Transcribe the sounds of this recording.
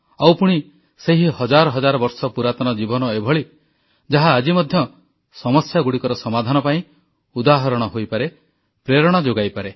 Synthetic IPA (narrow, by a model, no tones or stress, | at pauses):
awpuɽ̃i | seɦihɔd͡ʒaɾɔɦɔd͡ʒaɾɔbɔɾsɔpuɾat̪ɔñɔd͡ʒibɔnɔebʱɔɭi | d͡ʒaɦaːd͡ʒimɔd̪ʱjɔ | sɔmɔsjaɡuɽikɔɾɔsɔmad̪ʱanɔpaĩ | ud̪aɦɔɾɔɽ̃ɔɦojpaɾe | pɾeɾɔɽ̃ɔd͡ʒoɡajpaɾe